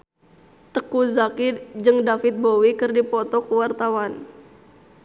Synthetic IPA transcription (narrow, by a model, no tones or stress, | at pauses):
t̪əkuzakid͡ʒɨŋdafit̪̚bowikɨrdipɔt̪ɔkuwart̪awan